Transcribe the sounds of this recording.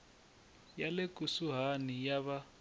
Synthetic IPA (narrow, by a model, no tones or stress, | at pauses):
jalekʼusuɦanijaβa